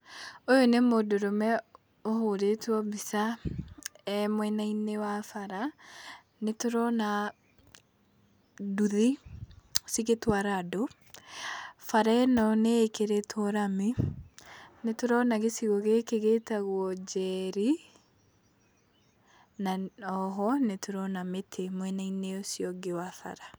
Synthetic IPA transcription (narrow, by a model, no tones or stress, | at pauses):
ojonemodoɾomɛ | oɦoɾetwɔbisa | ɛmwɛnainewafaɾa | netoɾɔna | duði | osiɣetwaɾado | faɾaɛnɔneːkeɾetʰɔɾami | netoɾɔnaɣesiɣɔɣekeɣetaɣwɔd͡ʒɛɾi | naɔɦɔnetoɾɔnametʰemwɛnaineosjɔɡewafa̰ɾa